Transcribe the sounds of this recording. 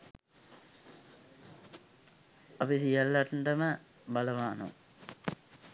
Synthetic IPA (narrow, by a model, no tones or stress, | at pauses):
apisijəlːaʈɳɖəmə | baləʋaːno̰